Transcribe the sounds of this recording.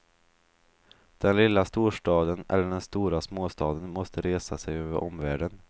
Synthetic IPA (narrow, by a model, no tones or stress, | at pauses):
d̪̥ɛnlɪlːast̪uːʂʈɑːd̪ənʔɛ̰lːəɖɛnst̪uːɾasmoːst̪ɑːd̪ənmɔst̪əɾeːsasɛjøːvə̰ɾʔɔmvæːɖən